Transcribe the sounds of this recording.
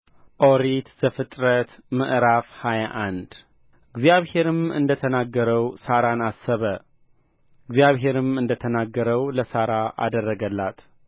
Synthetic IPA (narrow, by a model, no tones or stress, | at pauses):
ʔo̞ɾit̪z̥əfɨt̪ʼɾət̪mɨʔɾafhajaʔand̪ | ɨɡzijaβhe̞ɾɨmɨ̰nd̪ət̪ʰənaɡːəɾəwsaɾanasːəβə | ɨɡzjaβɦe̞ɾɨmɨnd̪ət̪ʰənaɡːəɾəwləsaɾaʔa̰d̪ərːəɡəlːat̪ʰ